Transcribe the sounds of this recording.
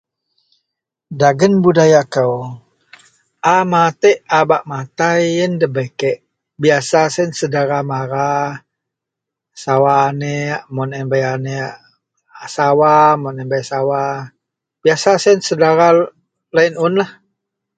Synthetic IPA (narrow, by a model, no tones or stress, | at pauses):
daɡənbudajakəw | ʔamat̪ɛʔabaʔmat̪ajəndəbekɛʔ | biasasɛnsədaɾamaɾa | sawaːneaʔmɔnɛmbajaneʔ | asawamɔnɛmbajsawa | b̥iasasɛnsədaɾa | lainʊnlah